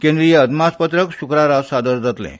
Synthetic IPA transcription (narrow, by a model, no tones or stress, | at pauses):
kẽnd̪ɾijəəd̪maspət̪ɾəkɕukɾaɾasad̪əɾd͡zat̪lɛ̰̃